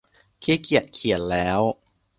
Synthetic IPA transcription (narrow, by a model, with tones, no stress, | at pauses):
kʰiː˧˥kʰi˨˩ət̪̚kʰi˨˩ənlɛː˦˥w